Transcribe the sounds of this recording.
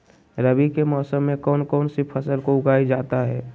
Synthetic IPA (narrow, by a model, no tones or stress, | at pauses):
ɾəbikemɔːsəmːẽkɔːnkɔːnsipʰəsəlkoʊɡaːid͡ʒaːt̪aɦɛː